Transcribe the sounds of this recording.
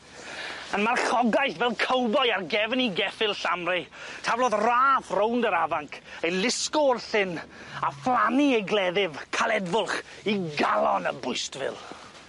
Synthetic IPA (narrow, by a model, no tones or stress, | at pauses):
ənmarχɔɡajθvɛlˠkʰowbɔjarɡɛvəniɡɛfɪlˠɬamrɪtʰavlˠɔðraːθrowndəɾavaŋkʰejlˠɪskɔrθɪnaflˠaniɛɡlˠɛðɪvkʰalˠɛdvʊlˠχ | iɡalˠɔnəbʊɨstvɪ̰lˠ